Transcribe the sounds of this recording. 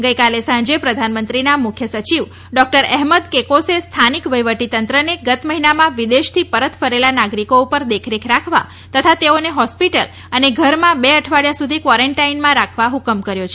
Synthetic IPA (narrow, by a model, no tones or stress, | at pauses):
ɡəjkalesãɲd͡ʒepɾəd̪ʱanmənt̪ɾinamʊkʰjəsət͡ʃiʋ | ɖɔk̚ʈəɾɛɦməd̪kekosest̪ʰanikʋəjʋəʈit̪ənt̪ɾəneɡət̪məɦinamãʋid̪eʃt̪ʰipəɾət̪fəɾelanaɡɾikoupəɾd̪ekʰɾekʰɾakʰʋa̰ | t̪ət̪ʰat̪eoneɦɔspiʈəl | əneɡʱəɾmãbeəʈʰʋaɽjasud̪ʱikʋɔɾeɳʈainmãɾakʰʋaɦukəmkəɾjot͡ʃʰe